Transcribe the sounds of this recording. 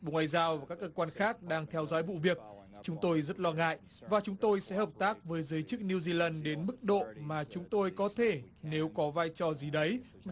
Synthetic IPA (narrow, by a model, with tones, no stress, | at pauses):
ɓo˧˩ŋwa̰ː˧˨jzaː˧wvaː˨˩ka˦˥kːəː˧kwaː˧nxaː˦˥k̚ɗaː˧ŋt̪ʰɛ˧wzɔ̰˧˥jvṵ˧˨vi˨˩ək̚ | t͡ɕʊ˨˦ŋ͡mt̪o˧jzə˦˥t̚lɔ˧ŋa̰ː˧˨jʔ | vaː˨˩t͡ɕʊ˨˦ŋ͡mt̪o˧jsɛ̰˧˥həː˨˩p̚t̪aː˦˥k̚vəː˨˦jzəː˨˦jt͡ɕɨ˦˥k̚ni˧wzi˧laː˧˩nɗe˨˦nmɨ˦˥k̚ɗo̰˧˨maː˨˩t͡ɕʊ˨˦ŋ͡mt̪o˧jkɔ˨˦t̪ʰe˧˩ne˨˦wkɔ˨˦vaː˧jt͡ɕɔ˨˩zi˨˩ɗə˨˦j